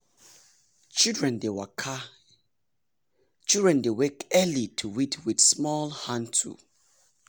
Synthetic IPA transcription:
t͡ʃildɹɛ̃ndewakʰa | t͡ʃildɹɛ̃ndewekɛlitʰuwitʰwiθsmɔlhãntʰṵ

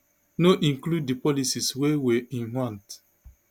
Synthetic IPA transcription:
noʔĩŋklud̚ːipɔlisiswewɛĩnhãnt

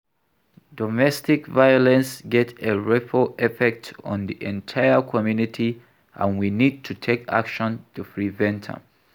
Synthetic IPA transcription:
dɔmɛstɪkvajɔlɛ̃nsɡɛteɹɛpəɛfɛk̚tɔ̃nðiʔɛ̃ntʰaɪəkʰɔmjunitʰi | ʔã̰nwinid̚tʰutʰekʰa̰kʃɔ̃ntʰupʰɹivɛ̃ntʰə̰̃m

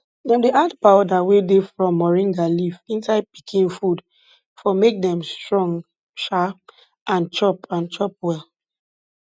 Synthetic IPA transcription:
dɛ̃ndiʔadpawdawedefɹɔ̃mːɔɹĩŋɡalifĩnsaɪd̚pi̥kʰĩnfud | fɔmek̚dɛ̃mstɹɔ̃ŋ | ʃa | ʔãnt͡ʃɔpãnt͡ʃɔp̚wɛl

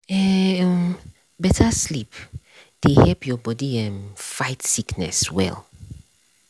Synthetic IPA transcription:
ɛ | bɛtʰaslip | d̥ehɛlpʰjɔbɔdiɛ̃nfaɪtsiknɛ̰swɛ̰lˠ

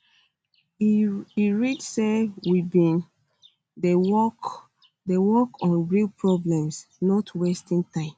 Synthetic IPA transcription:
iɹidsewibĩn | dewɔk | dewɔkɔ̃nɹilpɹɔblɛ̃msnɔtʰwestĩntãɪ̃m

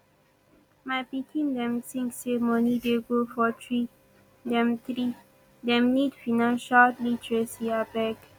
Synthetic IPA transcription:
mapitʰĩndɛ̃mt̪ĩŋksemɔnideɡofɔtʰɹi | dɛ̃mt̪ɹi | dɛ̃mnidfinãnʃatlitɹɛsiabɛk

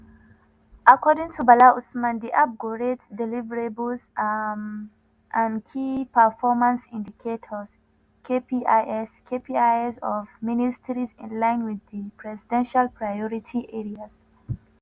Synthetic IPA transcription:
ʔakɔdɪ̃ŋtʰubalaʔusmãndiʔap̚ɡoɹetdɛlivəɹebəlzm | ʔãnkʰipəfɔmãnsḭ̃ndikʰetʰɔz̥ | kʰepiʔaʔɛskʰepiaɪɛzɔvministʰəɹizɪ̰̃nlãɪ̃nwiðipʰɹɛzidɛ̃nʃalpɹajɔɹitʰiʔɛɹiaz̥

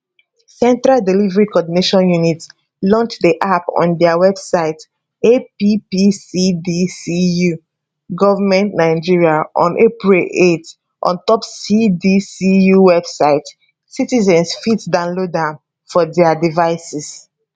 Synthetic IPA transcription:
sɛ̃ntɹaldilivɛɹikɔdineʃɔ̃njunit | lɔ̃nt͡ʃdiʔapɔ̰̃ndɛawɛbsaɪt | epipisidisiju | ɡɔvamɛ̃ntnaɪd͡ʒiɹiaʔɔ̰̃nʔepɹilʔet | ʔɔ̰̃ntɔpsidisijuwɛbsaɪt | sitizɛ̃nsfitdãʊ̃nlodãm | fɔdɛadivaɪsis

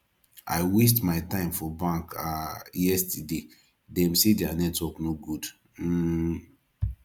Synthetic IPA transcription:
ʔa̰ɪwis̬tmaɪtãɪ̃mfɔbãŋkajɛstide | dɛ̃msidɛanɛtwɔknoɡud̩

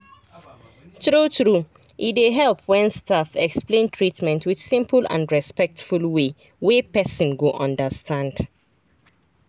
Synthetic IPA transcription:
tɹutɹu | ʔideɦɛlpwɛ̃nstafɛksplẽntʰɹitmɛ̃ntʰwid̥sĩmpəlã̰nɹɛspɛk̚tfulwe | wepɛsɔ̃nɡoʔɔ̃ndəstʰãnd̥

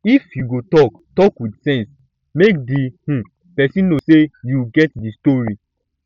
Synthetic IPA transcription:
ifjuɡotɔk | tɔkwidsɛ̃ns | mek̚dihũ | pɛsĩnosejuɡɛt̚distɔɹi

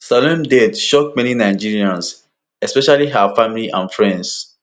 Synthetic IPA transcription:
sɔlɛ̃mdɛdʃɔk̚mɛninaɪd͡ʒiɹiãns | ɛspɛʃaliɦafãmiliʔãnfɹɛ̃nds

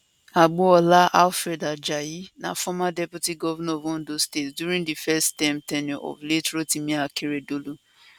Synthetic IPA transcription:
aɡ͡boɔlaʔalfɾɛdad͡ʒajinã̰fɔmadɛputiɡɔvɛnavɔ̃n̩dostetsduɾĩŋɡdifɛstãmtɛnĩʔɔ̰vletɾotimĩakeɾedolu

